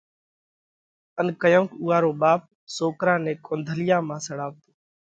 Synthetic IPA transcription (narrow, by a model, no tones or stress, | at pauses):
ənkəjõːkuːaːɾoːɓaːp̚ | soːkɾãːnẽːkõːnd̪ʱəlɪjãːmãːsəɽaːʋt̪o̥ː